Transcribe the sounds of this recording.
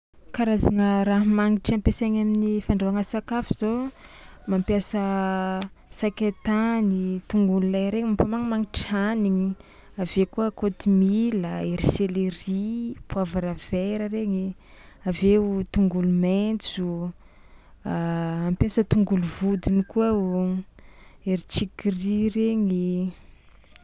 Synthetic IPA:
kaɾazaŋəɾaɦmaŋiʈ͡ʂampesaɲaminifaɳɖ͡ʐoaŋəsakafiz̥o | mampjasə | sakʲat̪anit̪uŋɡululajɾeɲipamaŋəmaŋiʈ͡ʂianiɲi | avekuəkot̪imiləeɾiseleripuavaɾav̥eɾəɾeŋi | aveut̪uŋɡulument͡su | mampjasət̪uŋɡuluvud̪inikuə | eɾit͡ʃikirireɲi

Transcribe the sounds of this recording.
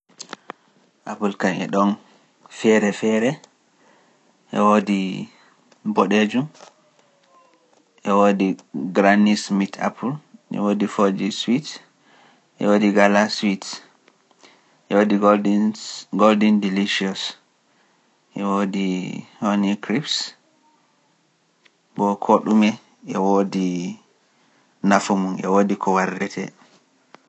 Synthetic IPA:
ʔapulkanɛ̰ɗɔn | fɛɾɛfɛɾɛ | ʔɛ̰wodi | boɗed͡ʒum | ʔɛwodiɡɾanismitʰa̰pʰulʔɛ̰wodifod͡ʒiswit | ʔɛ̰wodiɡalaswit | ʔɛwodi | ɡoldɛndiliʃiɔs | ʔɛwodihonikɾips | bɔkʰoɗumɛ | ʔɛwodi | nafumunʔɛ̰wodikʰɔwaɾdɛtʰɛ̰

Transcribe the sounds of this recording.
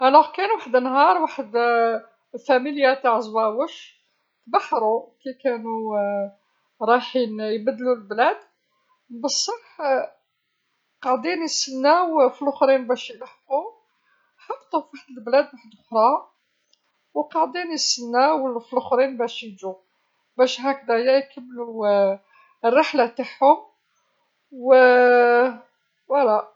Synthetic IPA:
ʔælæhkænuwaħəd̪nɦɑɾˤwaħəd̪ | fæmiljat̪aʕzˤwæwəʃ | t̪baħɾˤukikænu | ɾˤɑħinjbæd̪ːlulblæd̪ | bəsˤːɑħ | qɑʕd̪injəsənːæwfilʊxɾinbæʃjəlaħqu | ħɑqːt̪ˤufaħd̪əlblæd̪waħəd̪ʊxɾˤɑ | wqɑʕd̪injəsənːæwfilxɾinbæʃjid͡ʒu | bæʃɦæk̚d̪æjæjkʰəmːlu | ərːɑħlat̪aħhʊm | wə | wælæ

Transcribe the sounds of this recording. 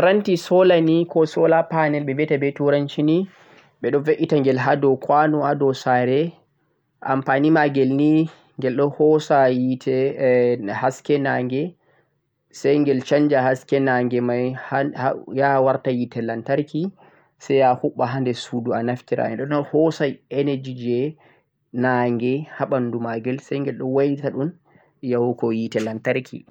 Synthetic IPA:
ɾantisɔlanikɔsɔlapanɛlɓɛbɛtabɛtuɾant͡ʃini | ɓɛɗɔnveʔitaŋɡɛlɦadɔkwanuadɔsaɾɛ | ʔa̰mpanimaɡɛlni | ŋɡɛlɗɔnhɔsajitʰɛ | haskɛnaːŋɡɛ | sajŋɡɛlt͡ʃaɲd͡ʒahaskɛnaːŋɡɛmajhajawaɾtajitɛlantaɾki | sɛjahuɓːaɦandɛsuduanaftiɾa̰ɛnɗɔɗɔnhɔsajɛned͡ʒid͡ʒɛ | naŋɡɛhaɓandumaɡɛlsajŋɡɛlɗɔwajitaɗun | jawɔkɔjitɛlantaɾkʰḭ

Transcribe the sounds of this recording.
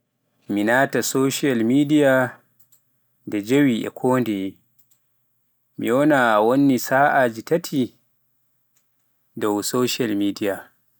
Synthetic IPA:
minaːtasoʃialmidija | dɛd͡ʒewiʔɛ̰kʰoːndɛ | mḭjonawonːisaːʔad͡ʒitatʰi | dowsoʃialmiːdija

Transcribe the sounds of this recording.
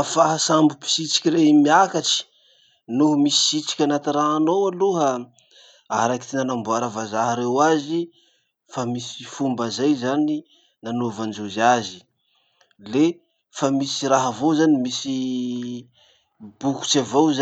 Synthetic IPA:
faɦasambupi̥sit͡si̥kʲiɾeimiakaʈ͡ʂi̥ | nuɦmisi̥sit͡ʃi̥kʲanat̪iraɦanowaluɦa | aɾaki̥t̪inanambuaɾavazaɦaɾewazi | famisi̥fumbazajzani | nanovand͡ʒuzazi | le | famisiraɦavozanimisi | b̥uku̥t͡ʃavowza

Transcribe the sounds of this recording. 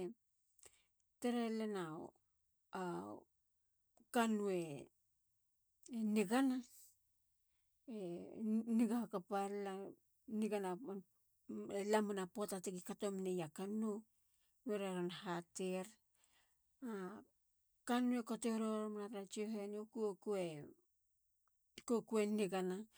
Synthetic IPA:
teɾelenao̰ | a | kanue̞ | niɡana | eniɡaakapala | niɡana | elamanapotatekikatomnejakanu | meɾaɾanahateɾ | a | kanue̞koteɾoɾomanaɾat͡ʃioɦeniokuokue | kokueneɡana

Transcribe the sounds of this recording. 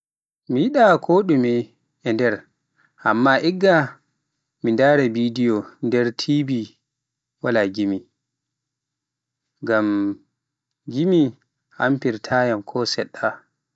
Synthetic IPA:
mijiɗakʰoːɗumi | ɛndɛɾ | ʔamːaʔɛɡːa | mindaːɾɛbidijɔndɛɾtʰibi | walaɡimi | ɡam | ɡimi | ha̰mpiɾtʰaːjamkʰɔsɛɗːa

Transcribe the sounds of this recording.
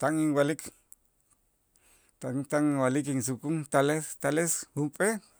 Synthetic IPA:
t̪aŋiŋwalik | t̪aŋt̪aŋwalikiŋs̬ukuŋt̪alest̪aleshumpʼe

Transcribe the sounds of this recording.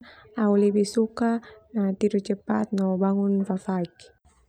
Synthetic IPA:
aulibisukanat̪iɾut͡ʃəpat̪̚nɔbaŋunfafaik

